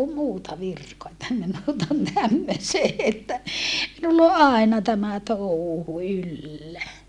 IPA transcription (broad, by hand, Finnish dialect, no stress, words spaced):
muːtɑ ʋirkoɑ etːæ minut on tæmːøseː etːæ minulː o ʔɑenɑ tæmæ touhu ylːæ